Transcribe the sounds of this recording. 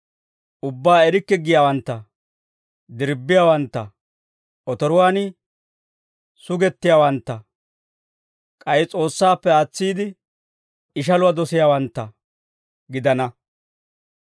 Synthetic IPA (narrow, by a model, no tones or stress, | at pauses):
ʔʊbːaːɛɾɪkːɛɡɪjaːwɐnt̪ːɐ | d̪ɪɾbːɪjaːwɐnt̪ːɐ | ʔɔt̪ɔɾʊwaːnɪ | sʊɡɛt̪ːɪjaːwɐnt̪ːɐ | kʼɐjɪt͡sʼo̞ːsːaːpːɛaːt͡sːiːd̪ɪ | ɪʃ̬ɐlʊwɐd̪ɔsɪjaːwɐnt̪ːɐ | ɡɪd̪ɐnɐ